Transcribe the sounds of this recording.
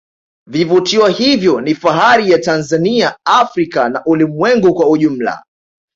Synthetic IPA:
vivutiwahivjɔnifaɦaɾijatanzaniaafɾikanaʔulimwɛŋɡukwauʄum̩la̰

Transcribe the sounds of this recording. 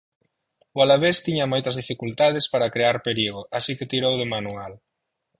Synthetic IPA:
ʊalaβest̪iɲɐmojt̪ɐzðifikult̪aðespaɾakɾeaɾpeɾiɣoʔasiket̪iɾowðʊmanual

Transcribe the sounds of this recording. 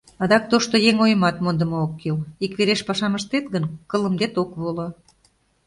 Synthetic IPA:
ɑd̪ɑk̚t̪oʃt̪ojeŋojəmɑt̪mond̪ə̆mookːilikβeɾeʃpɑʃɑməʃt̪et̪ɡənkə̆lə̆md̪et̪okβolo

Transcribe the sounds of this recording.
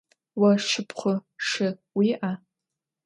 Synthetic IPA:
waʂɨpʰχʷʊʂɨwiʔa

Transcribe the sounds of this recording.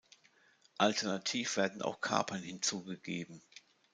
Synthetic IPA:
ʔaltʰɛɐnatʰiːfv̥eːɐdn̩a̰ʊxkʰa̰ɐpʰɐnhɪnt͡suːɡəɡeːbm̩

